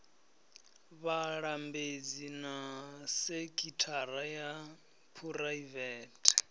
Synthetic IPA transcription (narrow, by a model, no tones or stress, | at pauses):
βaɺambed͡zinasekʼitʰaɾaja | pʰuraivɛːtʰʼ